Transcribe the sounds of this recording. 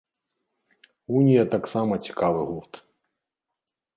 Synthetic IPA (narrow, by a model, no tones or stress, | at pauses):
unʲijɐt̪aksamɐt͡sʲi̥kavɨɣurt̪